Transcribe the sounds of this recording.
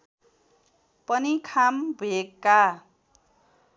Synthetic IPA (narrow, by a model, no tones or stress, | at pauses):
pʌnikʰambʱuekːa